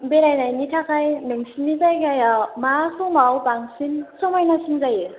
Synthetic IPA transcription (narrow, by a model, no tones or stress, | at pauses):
beɾajnajnitʰakajnɯŋsinːizajɡajamasɯmawbaŋsinsɯmajnasinzajɯ